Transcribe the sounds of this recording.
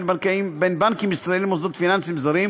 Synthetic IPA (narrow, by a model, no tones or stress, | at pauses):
lbankaimbenbankimisɾaelimozd̪ot̪finansimzaɾim